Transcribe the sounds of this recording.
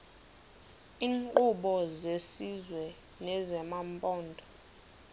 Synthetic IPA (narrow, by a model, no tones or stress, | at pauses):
iːŋǃʼuɓɔzesizwɛ | nɛzɛmampʼɔːndʱʼɔ̥